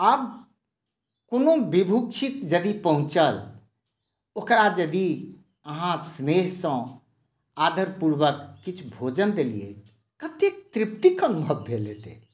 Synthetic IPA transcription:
əb | konobibʱukt͡ʃʰit̪d͡ʒəd̪ipəɦũt͡ʃəl | okɾad͡ʒəd̪i | əɦãsmeɦsə̃ | ad̪ʱəɾpuɾwəkːit͡ʃʰbʱod͡ʒənd̪elḭḛ | kət̪ek̚t̪ɾip̚t̪ikənubʱəbʱːelet̪ḛ

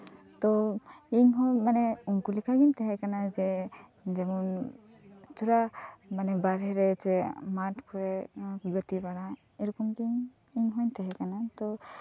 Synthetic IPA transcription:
t̪ɔiŋɦɔmanɛuŋkulikʰaɡint̪ʰɛɦɛkanazɛd͡ʒemɔn | t͡ʃuɾamanɛbaɾɦɛɾɛt͡ʃɛmatʰkʰɔɾɛɡət̪ibaɾa | eɾɔkɔmɡiŋ | iŋɦɔjnt̪ʰɛɦɛkanat̪ɔ

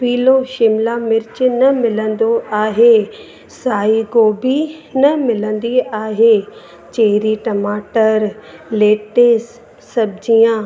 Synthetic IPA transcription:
piːloʃɪmlamɪɾɪt͡ɕɪnɐmɪlə̃nd̪oʔaːɦe | saːiɡoːbʱinɐmɪlə̃nd̪iaːɦe | t͡ɕeːɦɾiʈɐmaːʈəɾleːʈesː | ɐbɪd͡ʑiːã

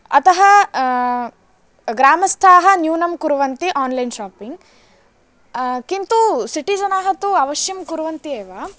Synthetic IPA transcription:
ɐt̪ɐɦɐ | ɡɾaːmɐst̪ʰaːɦɐnjuːnɐmkuɾuʋɐnt̪iʔaːnlɐjnʃaːpiŋɡ | kint̪usiʈid͡ʒɐnaːɦɐt̪uɐʋɐʃjɐmkuɾuʋɐnt̪ieːʋaː

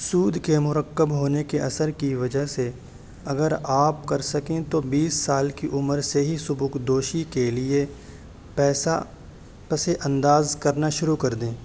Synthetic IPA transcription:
suːd̪ʱkemʊɾəkːəbɦoːnekeɐsəɾkiʋɐd͡ʒəɦse | ɐɡəɾaːpkɐɾsɐkẽt̪obiːsːaːlkiʔʊməɾseɦisʊbʊkd̪oːʃikelie | pɛːsa̰ | pɐseʔɐ̃nd̪aːzkɐɾnaʃʊɾukɐɾd̪ẽː

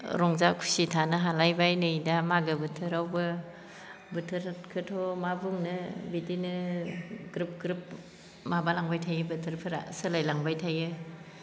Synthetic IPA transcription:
ɾɔŋzakʰu̥sitʰanɯɦalajbajnɯjdamaɡɯbɯtʰɯɾawbɯ | bɯtʰɯɾkʰɯtʰɔmabuŋnɯbidinɯ | ɡɾɯp̚ɡɾɯp̚ | mabalaŋbajtʰajɯbɯtʰɯɾpʰɯɾa̰sɯlajlaŋbajtʰajɯ

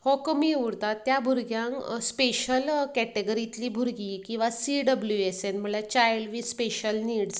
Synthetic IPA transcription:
hɔkəmiuɽt̪at̪ːjabʱuɾɡjãŋkspeɕəlkɛʈeɡəɾit̪liːbʱuɾɡikĩw̃ʋasiɖəbljuesenm̤əlat͡ɕajlʋispeɕəlniːɽs

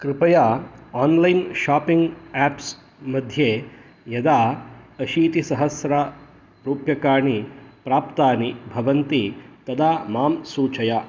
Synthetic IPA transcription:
kɾɪpɐjaːaːnlɐjnʃaːpiŋɡaːps | mɐd̪ʱjeː | jɐd̪aːɐʃiːt̪isɐɦɐsɾa | ɾuːpjɐkaːɳipɾaːpt̪aːnibʱɐʋɐnt̪it̪ɐd̪aːmaːmsuːt͡ʃɐja

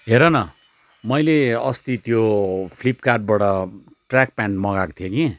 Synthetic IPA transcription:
ɦeɾʌnʌ | mʌjleʌst̪it̪jopʰlipkaʈ̚bʌɽʌ | ʈrak̚paɳʈmʌɡakt̪ʰijoki

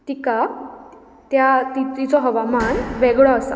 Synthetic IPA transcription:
t̪ika | t̪jat̪it̪it͡sɔɦəʋamanʋɛɡɭɔəsa̰

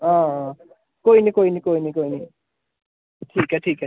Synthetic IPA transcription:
ʌ̃ | koinikojnikoinikojni | ʈʰikaʈʰika

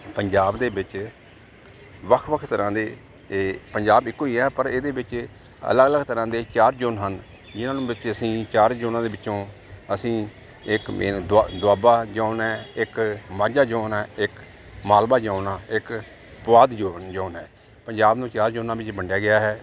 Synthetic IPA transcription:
pəɲd͡ʒaːbd̪eːbɪt͡ʃ | ʋəkʰʋəkʰt̪əɾãːd̪eː | pəɲd͡ʒaːbɪkːoːiːɛːpəɾeːd̪eːbɪt͡ʃ | ə̰ləɡələɡt̪əɾãːd̪eːt͡ʃaːɾd͡ʒoːnɦən | d͡ʒɪnãːnũːbɪt͡ʃəsĩːt͡ʃaːɾd͡ʒoːnãːd̪eːʋɪt͡ʃõː | əsĩː | ɪkmḛːd̪d̪ʊaːbaːd͡ʒãːʊnɛːɪkmaːd͡ʒaːd͡ʒoːnɛːɪk | maːlbaːd͡ʒaːʊnãːɪk | pʊʋaːd̪d͡ʒoːnd͡ʒaːnɦɛː | pəɲd͡ʒaːbnũːt͡ʃaːɾd͡ʒoːnãːbɪt͡ʃbəɳɖɪjaːɡɪjaːɦɛː

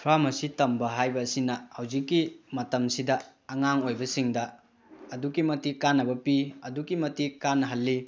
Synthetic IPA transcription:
pʰɾamɐsitɐmbɐɦajbɐːsinɐhɐwzikːimɐtɐmsidɐːŋaŋojbɐsiŋdɐ | ɐdukimɐtikanːɐbɐpiɐdukimɐtikanːɦɐlːi

